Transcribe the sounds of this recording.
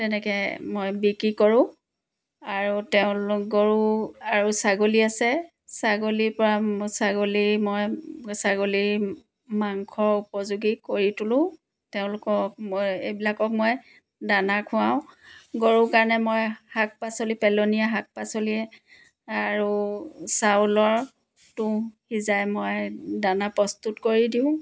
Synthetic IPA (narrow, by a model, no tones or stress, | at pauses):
tɛnɛkɛmojbikɹikɔɹʊ̃ | aɹutɛʊ̃lkɡoɹuaɹusaɡoliasɛ | saɡolipɔɹasaɡolimojsaɡoli | maŋkʰɔɹupɔzuɡikoɹitʊlʊ̃ | teʊ̃lʊkɔk̚mejbilakɔk̚mɔj | danakʰʊ̃aʊ̃ɡoɹukaɹnɛmojhak̚pasolipɛlonijaɦak̚pasoliɛ | aɹusalɔɹ | tʊhizajmojdanapɔstutkoɹidiʊ̃